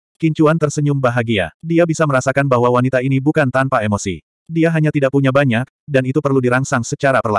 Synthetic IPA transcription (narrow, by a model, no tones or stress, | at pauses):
kiɲt͡ʃuant̪ərsəɲʊmbaɦaɡia̰diabisaməɾasakanbaɦwawanit̪ainibukant̪anpaemosḭ | diaɦaɲat̪idaʔ̚puɲabaɲak̚danit̪upərludiɾaŋsaŋsət͡ʃaɾapərla